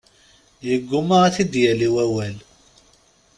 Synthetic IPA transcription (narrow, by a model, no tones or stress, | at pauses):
jəɡːʊmaθid̪jæliwæwæl